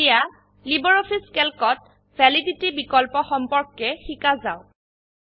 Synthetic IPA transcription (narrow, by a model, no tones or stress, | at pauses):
ja | libɔɹopʰiskɛlkɔt̚ | bʱɛliditibikɔlpɔxɔmpɔɹkːɛxikazaʊ